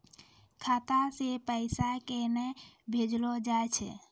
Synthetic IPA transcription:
kʰat̪asepəɪsakenɛbʱed͡ʒlɔd͡ʒaet͡ʃʰɛ̰

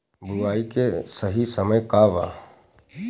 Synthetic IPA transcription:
bʊɾaːikesəɦisəməjkaʋa̰ː

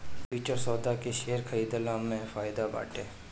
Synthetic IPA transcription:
piːt͡ʃəɾsɔːd̪akeʃeːəɾkʰəɾiːd̪əlaːmːẽfaːɪd̪aba̰ːʈeː

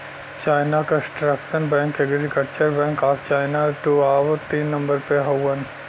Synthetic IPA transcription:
t͡ʃaːɪnakəsʈɾəkʃənbɛ̃ːŋkɛɡɾikəlt͡ʃəɾbɛ̃ːŋkaːft͡ʃaːɪnaʈuaːʋt̪iːnːɐ̃mbəɾpeɦowwən

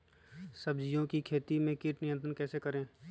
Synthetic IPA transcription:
səbd͡ʒijõkikʰeːt̪imẽkiʈnɪjə̃nt̪ɾənkɛːsekɐɾẽː

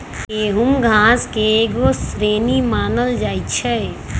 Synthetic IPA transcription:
eɦumɡʱãːskeːɡosɾeːnimaːnəld͡ʒaːit͡ʃʰɛ

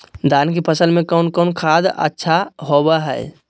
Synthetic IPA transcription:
d̪aːnkepʰəsəlmẽkɔːnkɔːnkʰaːd̪ə̰tːʃʰaɦobaɦɛ̰

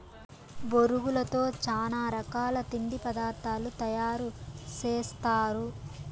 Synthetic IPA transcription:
boɾuɡulɐt̪o̞ːt͡ʃaːnaːɾɐkaːlɐt̪iɳɖ̪ipɐd̪aːɾt̪aːlut̪ɐjaːɾut͡ʃeːst̪aːɾu

